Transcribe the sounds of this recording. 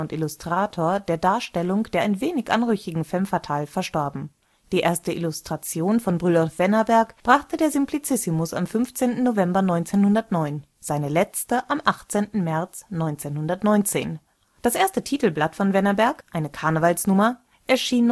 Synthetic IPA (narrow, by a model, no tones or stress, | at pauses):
ʊntɪlʊstʁ̥aːtʰoːɐdeːɐdaːɐʃtɛlʊŋd̥eːɐʔaɪnveːnɪçʔa̰nʁʏçɪɡŋ̩fɛmfaɐtʰaːlfɛɐʃtɔɐbm̩ | d̥iːʔeːɐstəʔɪlʊstʁ̥at͡sjoːnfɔnbʁylɔlfv̥ɛnɐbɛɐkb̥ʁaχtədeːɐzɪmpʰlit͡sɪsɪmʊsa̰mfʏnft͡seːntn̩novɛmbɐnɔʏnt͡seːnhʊndɐtnɔʏn | z̥aɪnəlɛt͡stəʔamʔaχt͡seːntn̩mɛɐt͡snɔʏnt͡seːnhʊndɐtnɔʏnt͡sḛːn | d̥asʔeːɐstətʰiːtl̩blatfɔnvɛnɐbɛɐkʔaɪnəkʰaɐnəvalsnʊmɐ | ʔɛɐʃiːn